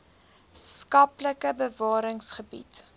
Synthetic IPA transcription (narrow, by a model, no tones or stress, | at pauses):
skɐpləkəbəvɑːɾəŋsχəbḭt